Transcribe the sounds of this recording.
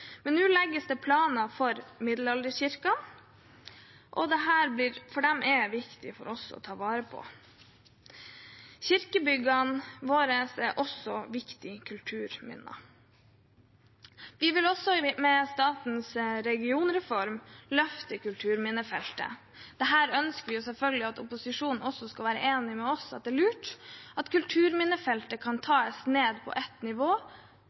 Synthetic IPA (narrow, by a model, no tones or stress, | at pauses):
mɛnːʉːlɛɡːəst̪əpʰlɑːnɑfɔɾmɪd̪lɑld̪əçɪɾkɑ | ʔɔd̪ɛɦæːɾblɪːɾfɔɖɛmʔɛʋɪkt̪ɪfɔɾɔsɔ̰t̪ʰɑːʋɑːɾəpʰɔ̰ | çɪɾkəbʏɡɑnʋoːɾəsɛʔɔsɔʋɪkt̪ɪkʰʉlt̪ʰʉːɾmɪ̰nːɑ̰ | ʋɪʋɪlɔsɔmɛst̪ɑːt̪nsɾɛɡɪuːnɾɛfɔɾmlœft̪əkʉlt̪ʰʉːɾmɪnːəfɛlt̪ə̰ | d̪̥ɛɦæːɾœnskəɾʋɪjʊsɛlfœlɡəlɪɑt̪ʊ̰pʊsɪʂuːnn̩ɔsːɔskɑʋæːɾə̰ʔeːnɪmɛɔsɑt̪̚d̪ɛːlʉːʈɑt̪kʉlt̪ʰʉːɾmɪnːəfɛlt̪əkʰɑnt̪ʰɑːɛsneːd̪pʰɔ̰ʔɛt̪nɪʋoː